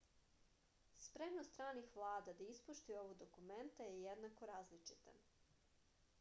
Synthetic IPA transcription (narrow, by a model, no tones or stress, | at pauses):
spɾemnost̪ɾaːnixʋlˠaːd̪ad̪aispuʃt̪io̞ʋod̪okument̪ajejed̪nako̞ɾaːzlit͡ʃit̪a̰